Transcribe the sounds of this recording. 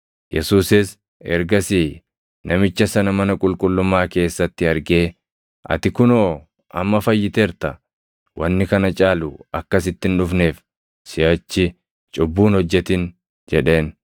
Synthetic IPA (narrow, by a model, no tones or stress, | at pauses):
jɛsuːsɪs | ɛɾɡɐsi | nʔɐmɪt͡ʃːɐsɐnɐmɐnɐkʼʊlkʼʊlːʊmːaːke̞ːsːɐt̪ːɪɐɾɡe̞ː | ʔɐ̰t̪ɪkʊnoː | ʔɐ̰mːɐfɐjːɪt̪eːɾt̪ɐ | wʔɐnːɪkɐnɐt͡ʃʼaːlʊɐkːɐsɪt̪ːɪnᶑʊfne̞ːf | sɪjɐt͡ʃːɪ | t͡ʃʼʊbːuːnhɔd͡ʒːɛt̪ɪn | d͡ʒɛᶑe̞ːn